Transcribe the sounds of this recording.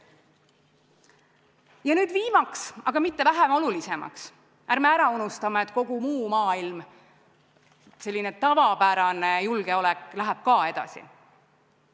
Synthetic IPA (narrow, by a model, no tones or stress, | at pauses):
jɑnyːd̪̥viːmɑksɑɡ̥ɑmit̪ːe̞væɦemo̞lulise̞mɑ̰ks | æɾmeæɾɑunust̪ɑmeet̪ːˑko̞ɡ̥umuːmɑːilm | se̞lʲːinet̪ɑvɑpæɾɑnejulɡ̥e̞o̞lɛkːˑlæɦæb̥̚kɑːe̞d̪̥ɑ̰sḭ